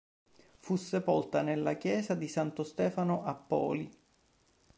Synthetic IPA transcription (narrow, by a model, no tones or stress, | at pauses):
fusːepolt̪anelːakjɛːzad̪isant̪ost̪ɛːfanoʔapːɔ̰ːli